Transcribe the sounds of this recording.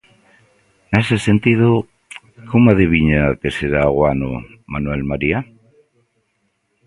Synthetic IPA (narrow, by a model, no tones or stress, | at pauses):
nesese̞nt̪iðo | komoaðiβiɲakeseɾaːɣwano̰ | manwelmaɾia